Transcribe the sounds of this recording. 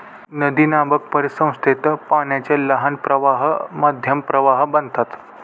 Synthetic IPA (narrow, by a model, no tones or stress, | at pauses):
nəd̪iːnabək̚pəɾisə̃w̃st̪ʰet̪əpaɳjat͡ɕeləɦanpɾəʋaɦmad̪ʱjəmpɾəʋaɦbənd̪t̪at̪